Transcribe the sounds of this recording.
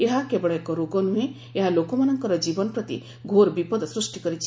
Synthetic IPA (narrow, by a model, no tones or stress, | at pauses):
eɦakebɔɭɔekɔɾoɡɔnuɦẽ | eɦalokɔmanɔŋkɔɾɔd͡ʒibɔnɔpɾɔt̪ḭ | ɡʱoɾbipɔd̪ɔsɾusʈikɔɾit͡ʃʰi